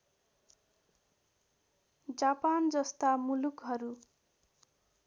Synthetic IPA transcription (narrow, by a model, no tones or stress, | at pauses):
d͡zapand͡zʌst̪amulukɦʌɾu